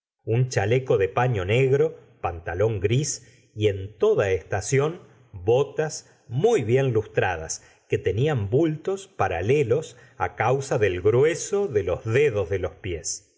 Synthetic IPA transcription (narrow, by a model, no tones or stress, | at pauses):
unt͡ʃaleko̞ðepaɲo̞neɣɾo̞pant̪alo̞ŋɡɾis | ie̞nt̪o̞ðaest̪asjo̞n | bo̞t̪as | mujβje̞nlust̪ɾaða̰s | ket̪e̞niambult̪o̞spaɾa̰lelo̞s | a̰kawsaðelɣɾwe̞soðelozðeðozðelo̞spjes